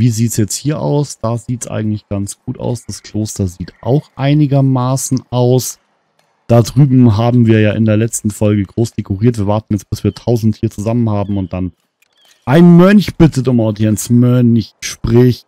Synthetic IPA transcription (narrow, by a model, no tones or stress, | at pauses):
viːziːtsjɛt͡sthiːɐʔa̰ʊsd̥aːziːtsʔa̰ɪɡŋ̩tlɪçɡ̥ant͡sɡ̥uːta̰ʊsd̥askʰl̥oːstɐziːtʔa̰ʊxʔaɪnɪɡɐmaːsn̩ʔaʊs | d̥adʁyːbm̩ɦaːbm̩viːɐjaːʔɪ̰ndeːɐlɛt͡stn̩fɔlɡəɡʁoːsd̥ekʊʁiːɐtv̥iːɐvaɐtn̩jɛt͡stb̥ɪsv̥iːɐtʰaʊzn̩thiːɐt͡suzamənhaːbm̩ʊnt̚d̥an | ʔaɪnmœnçb̥ɪtətʊmaʊdjɛnsmœnçʃpʁ̥ɪç